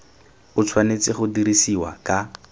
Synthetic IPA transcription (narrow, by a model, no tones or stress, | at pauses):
ʊt͡sʰwanet͡sɪχʊdiɾisiwa̰kʼa